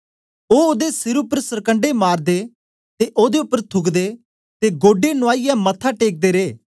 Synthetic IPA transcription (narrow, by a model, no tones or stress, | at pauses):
oːoːd̪esɪɾʊpːəɾsɐɾkə̃ɳɖemaːɾd̪e | t̪eʔoːd̪eʊpːəɾt̪ʰʊɡd̪e | t̪eɡoːɖenʊaːɪjɛmɐt̪ʰːaʈeːk̚d̪eɾeː